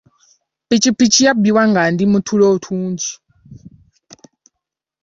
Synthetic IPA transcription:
pit͡ʃipit͡ʃʰijabiwaŋɡandimutʰulɔutʰuːnd͡ʒi

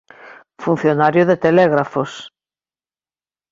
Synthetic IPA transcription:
fun̟θjonaɾjʊðet̪elɛɣɾafos

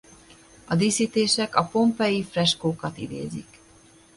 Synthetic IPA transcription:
ɒd̪isit̪eːʃɛkɒpo̞mpɛjifrɛʃkoːkɒt̪id̪ḛːzḭk

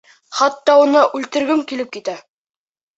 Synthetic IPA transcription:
χɑt̪ːɑunɤʔʉlt̪ɘ̆ɾɡɘmkilɘp̚kit̪æ

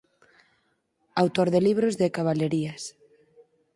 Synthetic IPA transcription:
awt̪oɾðeliβɾozðɪkaβaʎeɾiɐs

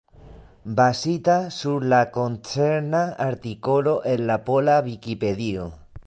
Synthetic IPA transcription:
basit̪asuɾlakont͡seɾnaaɾt̪ikoloʔenlapolaβikipeðio

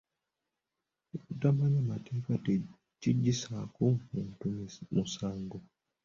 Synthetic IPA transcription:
kutamaɲamateːka | tiɟːisakumuːntumusaːŋɡo

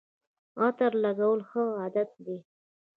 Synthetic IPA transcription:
ɑt̪aɾlaɡawəlxəad̪at̪̚d̪e

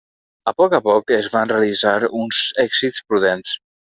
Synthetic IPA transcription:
əpɔkəpɔkezβanreəlizaɾunzɛɡzitspɾuðens

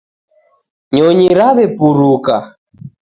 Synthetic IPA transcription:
ɲɔɲiɾaβɛpuɾuka

